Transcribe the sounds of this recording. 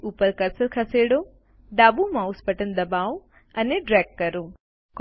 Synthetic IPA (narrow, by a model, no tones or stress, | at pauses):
upəɾkəɾsəlkʰɐseːɽo | d̪aːbumãʊspəʈənd̪ɐbaːo | ɐneɖɾɛːɡːɐɾo | k